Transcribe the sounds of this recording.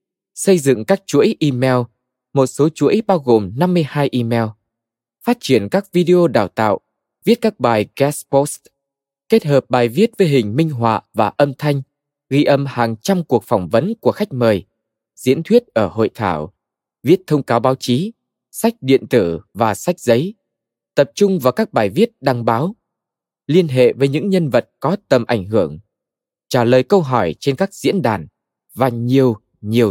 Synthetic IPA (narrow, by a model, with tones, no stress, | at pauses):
sə˧jzɨ̰˧˨ŋkaː˦˥k̚t͡ɕu˧˦˥əjʔi˧mɛ˧w | mo˨˩t̚so˨˦t͡ɕu˧˥əjɓaː˧wɣo˨˩mna˧mːɨ˧əjhaː˧jʔi˧mɛ˧w | faː˦˥t̚t͡ɕi˧˩ənkaː˦˥k̚vi˧ɗe˧ʔo˧ɗaː˧˩wt̪a̰ː˧˨w | vi˦˥ət̚kaː˦˥k̚ɓaː˨˩jɣɛ˧˦spɔ˦˥st | ke˦˥t̚həː˨˩p̚ɓaː˨˩jvi˦˥ət̚vəː˨˦jɦï˨˩ŋ̟mï˧ŋ̟ɦwa̰ː˧˨vaː˨˩ʔə˧mt̪ʰa˧jŋ̟ | ɣi˧ʔə˧˩mhaː˨˩ŋt͡ɕa˧mku˨˩ək̚fɔ˧˩wŋ͡mvə˨˦nku˧˩əxa˦˥jk̟̚məː˨˩j | zḭ˧˥ənt̪ʰwi˦˥ət̚ʔəː˧˩ho̰˧˨jt̪ʰa̰ː˧˩w | vi˦˥ət̚t̪ʰə˧wŋ͡mkaː˨˦wɓaː˨˦wt͡ɕi˨˦ | sa˦˥jk̟̚ɗḭ˧˨ənt̪ɨ˧˩vaː˨˩sa˦˥jk̟̚zə˨˦j | t̪ə˨˩p̚t͡ɕʊ˧ŋ͡mvaː˨˩wkaː˦˥k̚ɓaː˧˩jvi˦˥ət̚ɗa˧ŋɓaː˨˦w | li˧ənɦḛ˧˨vəː˨˦jɲɨ̰˧˥ŋɲə˧nvə˨˩t̚kɔ˨˦t̪ə˨˩mʔa˧˩jŋ̟ɦɨ˧˩əŋ | t͡ɕaː˧˩ləː˨˩jkə˧wɦɔ˧˩jt͡ɕe˧nkaː˦˥k̚zḭ˧˥ənɗa̰ː˧˩n | vaː˨˩ɲi˨˩əw | ɲi˨˩əw